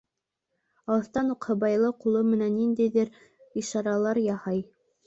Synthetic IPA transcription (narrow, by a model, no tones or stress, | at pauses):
ɑɤ̆θt̪ɑnuqhɤ̆bɑjlˠɤqulˠɤmɘ̆nænːind̪æjðɘɾ | iʃɑɾɑlˠɑɾjɑhɑj